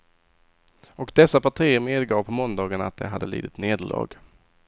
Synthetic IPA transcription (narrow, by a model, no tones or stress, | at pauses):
ɔkd̪ɛsːapʰaʈʰiːəɾmeːd̪ɡɑːvpʰɔmɔnd̪ɑːɡənat̪̚d̪ɛ̰ɦad̪ːəlḭːd̪ɪt̪neːd̪əɭʔɑ̰ːɡ